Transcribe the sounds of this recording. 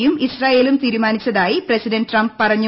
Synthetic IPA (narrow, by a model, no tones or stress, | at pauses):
jumisraːjeːlumt̪iːɾumaːnit͡ɕːɐðaːjiprɐsidɐnɖrɐmbpɐrɐɲːu